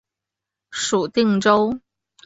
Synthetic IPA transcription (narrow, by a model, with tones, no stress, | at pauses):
ʂu˨˩t̪i˥˧ŋʈ͡ʂo˥ʊ